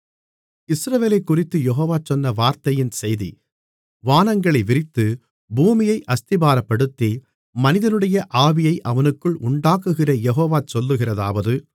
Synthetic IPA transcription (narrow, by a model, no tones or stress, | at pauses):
ɪsɾɐʋeːlɐɪkːʊrɪt̪ːɯjɛɦoːʋaːt͡ʃɔnːɐʋaːɾt̪ɐjɪnsɛjðḭ | ʋaːnɐŋɡɐɭɐɪʋɪrɪt̪ːɯ | buːmɪjɐɪʔɐst̪ɪbaːɾɐpːɐɽɯt̪ːi | mɐnɪðɐnɯɽɐjɐʔaːʋɪjɐɪʔɐʋɐnɯkːɯɭʔʊɳɖaːkɯɣɪrɐjɛɦoːʋaːt͡ʃɔlːɯɣɪrɐðaːʋɐðɯ